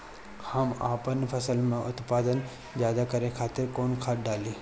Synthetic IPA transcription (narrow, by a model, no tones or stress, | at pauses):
hɐmaːpənpʰɐsəlmẽʔʊt̪paːd̪ən | zjaːd̪akɐɾekʰaːt̪ɪɾkoːnkʰaːʈ̚ɖaːliː